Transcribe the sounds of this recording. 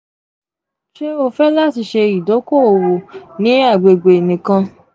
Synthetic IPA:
ʃe˦o˧fɛ˦la˦˨ti˧ʃe˧i˨do˨˦ko˦˨o˨wo˨nĩ˨˦a˦˨ɡ͡be˨ɡ͡be˨nĩ˨kã˧

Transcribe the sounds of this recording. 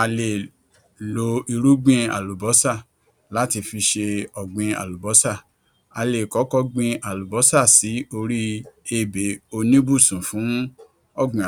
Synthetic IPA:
a˧le˨ | lo˨˦i˧ɾu˦ɡ͡bĩ˧a̰˨lu˨bɔ˨˦sa˦˨ | la˨˦ti˧fi˧ʃe˧ɔ˨ɡ͡bĩ˧a̰˨lu˨bɔ˨˦sa˦˨ | a˧le˨kɔ˨˦kɔ˧ɡ͡bĩ˧a˨lu˨bɔ˨˦sa˦˨si˨˦o˧ɾi˦e˦˨be˨˦o˧nĩ˦bu˦˨sũ˨fũ˨˦ | ɔ˦˨ɡ͡bĩ˧˨

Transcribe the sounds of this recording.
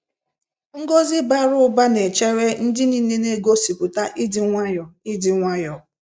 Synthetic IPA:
ŋ̩˦ɡo˦zɪ˦ba˦ɾʊ˦ba˦ne˨t͡ʃe˦ɾe˦n̩˦dɪ˦ni˨˦ne˦ne˦ɡo˦si˨kʊ˨ta˦ʔɪ˦dɪ˨ŋʷa˦jɔ˨ɪ˦dɪ˨ŋʷa˦jɔ˨

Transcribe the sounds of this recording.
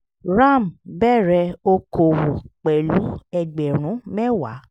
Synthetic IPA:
ɾa˦˨m̩˨bɛ˦˨ɾɛ˧o˧ko˨wu˨k͡pɛ˨lu˨˦ɛ˧ɡ͡bɛ˨ɾ̃ũ˨˦mɛ˦˨wa̰˨˦

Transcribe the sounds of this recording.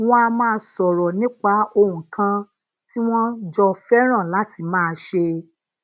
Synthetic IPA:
w̃ɔ̃˦a˧mãː˦sɔ˨ɾɔ˨nĩ˦k͡pa˧˦o˧hũ˨kã˧ | ti˦w̃ɔ̃˦d͡ʒɔ˧fɛ˦ɾ̃ã˦˨la˨˦ti˧˨mãː˦˧ʃe˧

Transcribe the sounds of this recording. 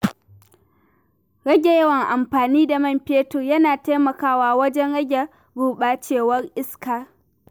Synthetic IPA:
ɽɐ˦ɡʲe˨jɐ˦wɐ˨ŋʔa˨mɸaː˨niː˦da˨mɐ˦˨mɸeː˦toː˨jɐ˦naː˨te˦mɐ˨kaː˦waː˦wɐ˦d͡ʒɛ˦nɽɐ˦ɡʲe˨ | ɡuː˦ɓaː˦t͡ʃeː˦˨wɐ˦rʔɪ˦skaː˦˨

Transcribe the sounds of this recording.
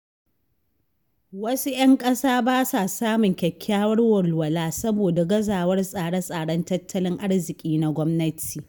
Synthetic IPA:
wɐ˦su˦jɐ˦ŋkʼɐ˦saː˦baː˦sa˨saː˦mʊ˨ŋkʲɛ˨kʲːaː˦wɐ˦rwɐ˨lwɐ˨laː˦sɐ˦boː˨da˨ɡɐ˦zaː˨wɐ˦rsʼaː˨ɽɐ˦sʼaː˨ɽɐ˦ntɐ˦tʰːɐ˦lɪ˦ŋʔa˦ɽzɪ˨kʲʼiː˦na˨ɡʷɔ˦mnɐ˦tʰiː˨

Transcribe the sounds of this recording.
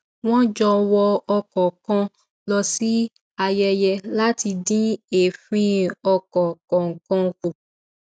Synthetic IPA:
w̃ɔ̃˦d͡ʒɔ˧wɔ˧ɔ˧kɔ˨kɔ̃˧ | lɔ˧si˦ | a˧jɛ˧jɛ˧la˦ti˧dĩ˦e˨fĩ˧˦ɔ˧kɔ˨kɔ̃˨ŋ̩˨kɔ̃˧ku˨

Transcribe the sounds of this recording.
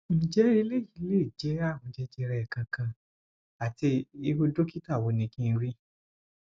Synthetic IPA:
ñ̩˨d͡ʒɛ˦ɾi˧˦le˦˨i˨˧˦le˦˨d͡ʒɛ˨˦a˦˨w̃ɔ̃˨˧d͡ʒɛ˨˦d͡ʒɛ˧ɾɛ˧˨ɛ˨kã˧kã˧ | a˨ti˧i˧ho˧do˦ki˦ta˦˨wo˨˧˦nĩ˧kĩ˦˧n̩˧ɾi˦

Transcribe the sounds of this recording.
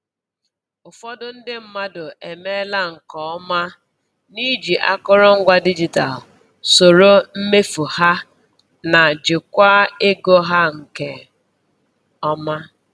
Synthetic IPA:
ʊ˨fɔ˦dʊ˦n̩˦dɪ˦m̩˦ma˦dʊ˨ʔe˨me˦la˦ŋ̩˨kɔ˨ɔ˦ma˦ | ni˦d͡ʒi˨ʔa̰˦kʊ˦ɾʊ˦ŋ̩˦ɡʷa˦di˦d͡ʒi˨ta̰˨l | so˨ɾo˦m̩˦me˦fu˨ha˦ | na˨d͡ʒɪ˨kʷa˦e˦ɡo˦ɦa˦ŋ̩˨ke˦ | ɔ˦ma˦

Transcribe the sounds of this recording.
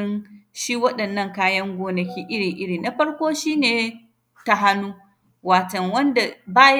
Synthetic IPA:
ɪ˦nʃi˦wɐ˦ɗɐ˨nːɐ˦˨ŋkaː˦jɐ˦ŋɡʷoː˦nɐ˨kʲiː˦ʔɪ˦ɽiː˨ʔɪ˦ɽiː˨na˨ɸɐ˦ɽkʷoː˦ʃiː˦neː˨ | ta˦ɦa˦nːuː˦ | waː˨tɐ˨ŋwɐ˦nda˨baː˦j

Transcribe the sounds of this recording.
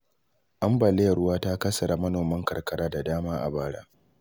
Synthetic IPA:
ʔa˦mba˨le˦jɐ˨ɽʊ˦waː˦ta˦kɐ˦sɐ˨ɾa˨mɐ˦noː˨mɐ˦ŋkɐ˨rkɐ˦ɽaː˦da˨daː˦maː˦ʔa̰˨baː˦ɽa̰ː˦

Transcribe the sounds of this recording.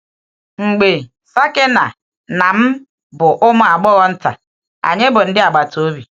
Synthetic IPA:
ŋ͡m̩˨ɡ͡be˨ | sa˦ke˦na̰˨ | na˨m̩˦ | bʊ˨ʔʊ˦mʊ˦a˨ɡ͡bɔ˦ɣɔ˦n̩˦ta̰˨ | a̰˨ɲe˦bʊ˨n̩˦dɪ˦a˨ɡ͡ba˨to˦bi˨

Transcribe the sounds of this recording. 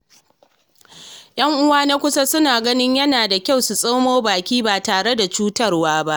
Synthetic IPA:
j̰ʔɐ˦ŋʔʊ˦waː˦na˦kʷʊ˦sa˦sʊ˦naː˨ɡɐ˦nɪ˦ɲjɐ˦naː˨da˨kʲa˦˨wsu˨sʼoː˦moː˦baː˨kʲiː˦baː˨taː˨ɽe˦da˨t͡ʃuː˦tɐ˦rwaː˦ba˦ʔʔ

